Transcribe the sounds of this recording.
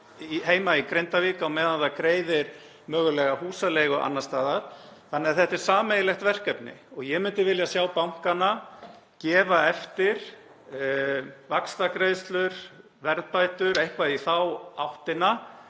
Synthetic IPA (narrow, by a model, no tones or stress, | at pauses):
iɦeːjmaikɾejnt̪aviːkaɔmɛðanðakɾeːjðɪɾ̥ | mœːɣʏlɛɣahuːsaleːɣɔɣa̰nːast̪aːðaɾ̥θanːɛaðθɛht̪ɛɾ̥saːmejɪlɛxt̪vɛr̥kɛpnɪ̰ɔɣjɛmʏnt̪ɪɾvɪljasjaːwpawŋ̥kana | cɛːvaɛft̪ɪɾ̥ | vakst̪akɾejðst̪lʏɾ̥ | vɛɾðpajt̪ʏɾejhkvaðiθawawht̪ɪna